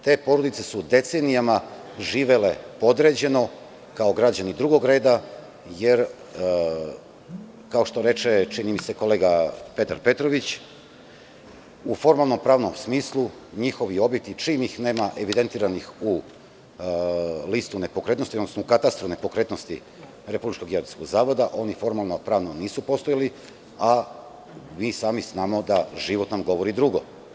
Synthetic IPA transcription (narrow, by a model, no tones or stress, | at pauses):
t̪e̞ːpo̞ɾod̪it̪se̞sud̪e̞t̪se̞nijama | ʒiːʋe̞le̞po̞d̪ɾe̞d͡ʑe̞no̞ | kao̞ɡɾad͡ʑanid̪ɾuɡo̞ɡɾe̞ːd̪a | je̞ɾ | kaoʃt̪o̞ɾe̞t͡ʃe̞t͡ʃinimise̞ko̞le̞ːɡape̞t̪a̰ɾpe̞t̪ɾo̞ʋit͡ɕ | ufo̞ɾmalˠno̞mpɾaːʋno̞msmiːslˠu | ɲixo̞ʋio̞bjet̪it͡ʃiːmixneːmaʔe̞ʋid̪e̞nt̪iːɾanixu | list̪une̞pokɾet̪nosiod̪nosnoukat̪ast̪ɾune̞po̞kɾe̞t̪no̞st̪ḭ | ɾe̞publit͡ʃko̞ɡjeɾoskoɡzaːʋo̞d̪aʔo̞nifo̞ɾmalˠnopɾaːʋnoniːsupo̞st̪ojali | a | miːsaːmiznaːmo̞d̪aʒiʋo̞t̪namɡo̞ʋo̞ɾid̪ɾuɡo̞̰